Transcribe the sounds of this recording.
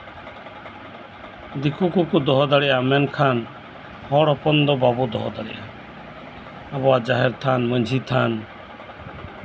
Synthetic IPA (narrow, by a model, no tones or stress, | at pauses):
d̪ikukukud̪ɔɦɔd̪aɽijamɛnkʰaːn | hɔɽɔpɔnd̪ɔbaːbud̪ɔ̰ɦɔd̪aɽḭa | abɔad͡ʒaːɦɛɾt̪ʰaːnməd͡ʒʱit̪ʰaːn